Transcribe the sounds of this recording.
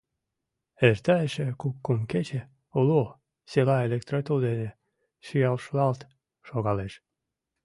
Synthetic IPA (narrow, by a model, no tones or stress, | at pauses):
ert̪æeʃekukːumket͡ɕe | ulu | silɑelʲekt̪ɾot̪ud̪ene | ʃiɑlʃlɑlt̪ | ʃoɡɑleʃ